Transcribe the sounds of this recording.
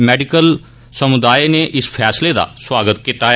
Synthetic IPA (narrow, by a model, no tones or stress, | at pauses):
mɛːɖɪkəl | səmʊd̪aːineːʔɪspʰɛːsleːd̪a̰ːswaːɡət̪kɪt̪aː